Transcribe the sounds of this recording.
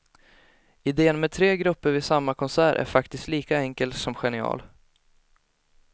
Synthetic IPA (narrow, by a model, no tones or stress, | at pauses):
ɪd̪eːənmɛt̪ʰɾeːɡɾɵpːəɾvɪsamːakʰɔnsæːɾʔæ̰ɾfakt̪ɪst̪liːkaɛŋkəlt̪sɔmɧɛnɪɑ̰ːl